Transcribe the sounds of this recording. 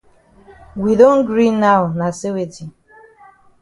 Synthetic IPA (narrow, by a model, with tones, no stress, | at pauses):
wi˨do˦n̩˦ɡɾi˦nːa˦ʊ˨na˨se˦we˨d͡ʒi˨